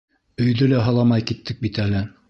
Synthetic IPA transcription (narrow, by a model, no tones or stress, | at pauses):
ɵ̆jðɵlæɦɑlˠɑmɑjkit̪ːɘk̚bit̪ælɘ